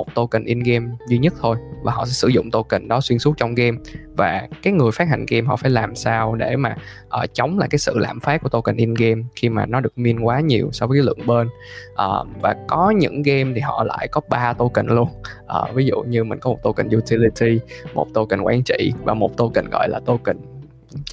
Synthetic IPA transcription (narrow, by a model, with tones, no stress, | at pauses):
o˨˩t̚t̪o˧kï̟˨˩ʔi˧nɣɛ˧mzi˧ɲə˦˥t̚t̪ʰo˧jvaː˨˩ɦɔ̰˧˨˩sɛ̰˧˥sɨ˧˩zʊ̰˧˨ŋ͡mt̪o˧kï˨˩ŋ̟ɗɔ˨˦swi˧ənsu˦˥t̚t͡ɕɔ˧wŋ͡mɣe˧mvaː˨˩kaː˨˦jŋɨ˨˩əjfaː˦˥t̚ha̰˧˩ŋɣɛ˧mɦɔ̰˧˨˩faː˧˩jlaː˨˩msaː˧wɗe˧˩maː˨˩ | ʔəː˨˩t͡ɕɔ˨˦wŋ͡mla̰ː˨˩jkaː˨˦jsɨ̰˧˨la̰ː˧˨mfaː˦˥t̚ku˧˩t̪o˧wkə̈˨˩ŋ̟ʔi˧nɣe˧mxi˧maː˨˩nɔ˨˦ɗɨ˨˩k̚mi˧ənkwaː˨˦ɲi˨˩əwsa˧wvəː˨˦kːa˨˦lɨ̰˧˨əŋɓeː˧n | ʔəː˨˩vaː˨˩kɔ˨˦ɲɨ̰˧˥ŋɣe˧mt̪ʰi˨˩ɦɔ̰˧˨la̰ː˧˨jkɔ˨˦ɓaː˧t̪o˧kï˨˩ŋ̟lu˧ənʔəː˨˩vi˨˦zṵ˧˨ɲɨ˧mï˨˩ŋ̟kɔ˨˦mo˨˩t̪̚o˧kï˨˩ŋ̟ju˧t̪ʰi˧li˧t̪ʰi˧mo̰˨˩t̚t̪o˧kï˨˩ŋ̟kwa̰ː˨˦nt͡ɕḭ˧˨vaː˨˩mo˨˩t̚t̪o˧kï˨˩ŋ̟ɣɔ̰˧˨jlaː˨˩t̪o˧kï˧˨˩ŋ̟